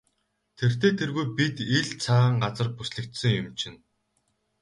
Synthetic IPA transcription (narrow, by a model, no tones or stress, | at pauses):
t̪ʰer̥t̪eːt̪ʰerɣujpit̪iɮt͡sʰaɴɢat͡sə̆rpusɮɘ̆kt̪sɘ̆ŋjʊmt͡ɕʰɪ̆n